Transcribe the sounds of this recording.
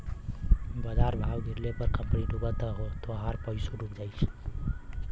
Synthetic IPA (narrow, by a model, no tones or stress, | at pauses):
bəd͡ʒaɾbʱawɡʱiɾlepəɾkəmpniɖubət̪əɦot̪oɦaɾpəisuɾukd͡ʒajt͡ʃʰ